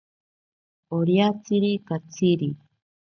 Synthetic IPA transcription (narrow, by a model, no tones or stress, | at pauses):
oɾjat͡siɾikat͡siɾi